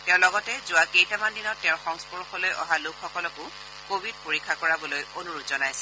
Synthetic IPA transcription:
tɛʊ̃lɔɡɔtɛzʊwakejtamandinɔtːɛ̃ʊ̃xɔŋspɔɹɔxɔlojʔɔ̰ɦalʊkʰxɔkɔlɔkʊ | kobʱid̚poɹikʰːakɔɹabɔlojonuɹutzɔnajsɛ̥

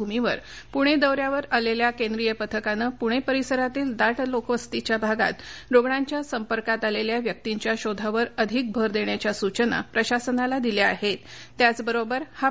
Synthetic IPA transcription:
umiʋə̰ɾpuɽ̃ed̪əwɾjaʋəɾaleljakẽnd̪ɾijəpət̪ʰəkanəpuɽ̃epəɾisəɾat̪iːld̪aʈlokʋəst̪it͡ɕjabʱaɡa̰t̪ɾoɡɳaɲt͡ɕjasəmpəɾkat̪aleljaʋjək̚t̪iɲt͡ɕjaɕod̪ʱaʋəɾəd̪ʱik̚bʱəɾd̪eɳ̃jat͡ɕjasut͡ɕəna̰pɾəɕasənalad̪ilaa̰ɦet̪ː | jat͡sbəɾobəɾha

